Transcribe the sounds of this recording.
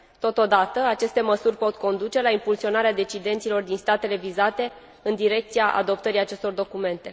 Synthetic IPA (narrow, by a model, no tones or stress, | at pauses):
t̪o̞t̪o̞d̪at̪əat͡ʃe̞st̪e̞məsurʲpo̞t̪ko̞nd̪ut͡ʃe̞laimpulsio̞naɾead̪e̞t͡ʃid̪e̞nt̪silo̞rd̪inst̪at̪e̞le̞vizat̪e̞ | ɨnd̪iɾe̞k̚t̪siaʔa̰d̪o̞p̚t̪əɾiat͡ʃe̞st̪o̞rd̪o̞kume̞nt̪e̞